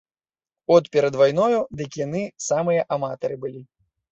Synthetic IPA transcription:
ɔt̪pʲɛɾɐd̪vajnɔjud̪ɨkjan̪ɨsamɨjɐʔamat̪ɐɾɨbɨlʲi

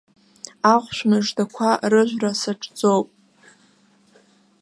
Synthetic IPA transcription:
aʁʷʃʷᶣmɨʐdakʷʰarɨʒᶣʷrasaʈ͡ʂʼd͡zowpʼ

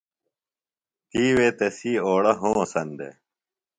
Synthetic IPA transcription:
t̪iːweːt̪ɐsiːoːɽɐɦõːsɐnd̪ḛ

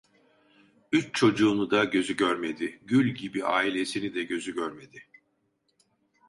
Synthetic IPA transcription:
yt͡ʃt͡ʃʰo̞d͡ʒuːnud̪aɟø̞zyɟøɾme̞d̪ɪɟylʲɟibiaːilʲe̞sinid̪ɛɟø̞zyɟøɾme̞d̪ɪ

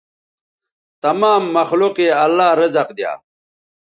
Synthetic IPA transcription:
t̪ɐmaːmːɐxluqiɐlːaːɾʌzɐqd̪ja̰ː

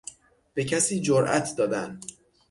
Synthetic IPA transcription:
b̥e̞cʰæsiːd͡ʒoɾʔæ̰t̪ʰd̪ɒːd̪æn

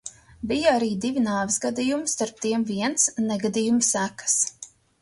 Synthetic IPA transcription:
bijaaɾiːd̪ivʲinaːvɪsɡad̪ijumst̪aɾp̚t̪iɛmviɛnt̪snɛɡad̪ijumsækḁs

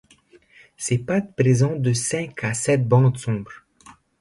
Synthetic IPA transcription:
sepat̪pχezɑ̃d̪əsɛ̃kʰasɛt̪̚bɑ̃d̪sɔ̃bʁ

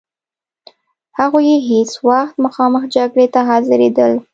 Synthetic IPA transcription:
haɣojeɦet͡swaxt̪məxɑməxd͡ʒaɡɽet̪aɦɑzɪɾed̪əl

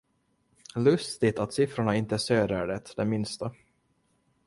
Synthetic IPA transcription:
lɵst̪ɪt̪at̪sɪfɾʊɳaɪnt̪əsøːɾæɖɛt̪d̪ɛmɪnst̪a

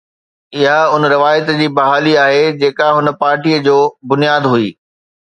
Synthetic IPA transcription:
ɪɦaʊnɾɪʋaːjɪt̪d͡ʑiːbɐɦaːliaːɦed͡ʑeːkaɦʊnə̆paːɾʈiəd͡ʑoːbʊnijaːd̪ɦʊiː

